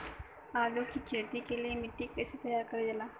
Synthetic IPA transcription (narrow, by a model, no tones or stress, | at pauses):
aːlokikʰeːt̪ikelijemɪʈːikːɐset̪ɐjaːɾkɐɾed͡ʒɐlaː